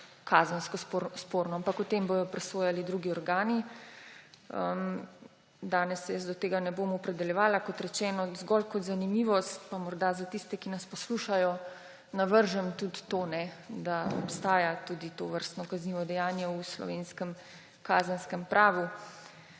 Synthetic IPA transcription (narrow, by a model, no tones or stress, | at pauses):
kʰaːzənskɔspoːɾnɔampakut̪embojɔpɾɛsoːjalid̪ɾuɡiɔɾɡaːni | ə̰m | d̪aːnɛsːɛjəsd̪ɔt̪eːɡanɛboːmɔpɾɛd̪ɛljɛʋaːlakɔt̪ɾɛt͡ʃɛːnɔzɡɔlkɔt̪zanimiːʋɔst̪pamɔɾd̪azat̪ist̪ɛkinaspɔsluʃajɔ | naʋəɾʒəmt̪ut̪t̪oːnɛd̪aɔ̰pst̪aːjat̪ud̪it̪oːʋəɾst̪nɔkazniʋɔd̪ɛjaːnjɛuslɔ̰ʋeːnskəm | kaːzənskəmpɾʔaːʋu